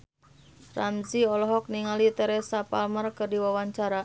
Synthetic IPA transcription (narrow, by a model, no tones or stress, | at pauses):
ramziɔlɔɦɔk̚niŋalit̪ɛɾɛsapalmərkɨrdiwawaɲt͡ʃaɾa